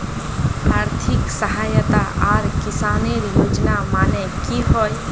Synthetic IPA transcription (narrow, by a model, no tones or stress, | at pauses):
aːɾt̪ʰɪksəɦaːjət̪aʔaːɾkɪsaːneɾjoːd͡ʒnamaːnekiɦoj